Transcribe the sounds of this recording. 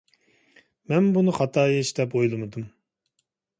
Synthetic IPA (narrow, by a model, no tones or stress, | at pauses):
mɛnbunɨχɑt̪ʰɑːjɛʃd̪ɛpojlˠɨmɨd̪um